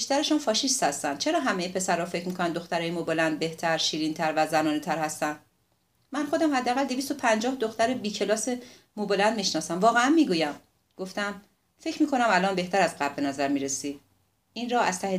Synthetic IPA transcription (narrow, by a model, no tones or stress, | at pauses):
biʃt̪æɾeʃunfɒːʃist̪hæst̪æn̥t͡ʃʰe̞ɾɒːɦæmejepʰe̞sæɾːɒːfecʰɾmiːkʰo̞nænd̪o̞xt̪æɾɒːjemobelænd̪̚be̞ht̪ʰæɾʃiːɾint̪ʰæɾvæzænɒːnet̪ʰæɾhæst̪ænd̪̥ | mænxo̞d̪æmhæd̪ːeæːɣæld̪e̞vist̪opʰænd͡ʒɒːhd̪oxt̪æɾebiːcʰe̞lɒːse | mobelænd̪̚miʃnɒːsæmvɒːɣeænmiːɡuːjæm | ɡ̥o̞ft̪æm | fe̞cʰmiːkʰo̞næmælɒːnbe̞ht̪æɾæzɢæb̚ːe̞næzæɾmiːɾesiːd̪ | ʔinɾɒːæz̥t̪ʰæhe